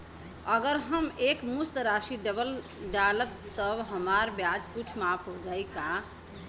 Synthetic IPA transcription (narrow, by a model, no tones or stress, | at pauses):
əɡəɾɦəmekmust̪ɾaʃiɖəbəl | ɖalət̪ːəbɦəmaɾbjad͡ʒkut͡ʃʰmapʰɦd͡ʒajka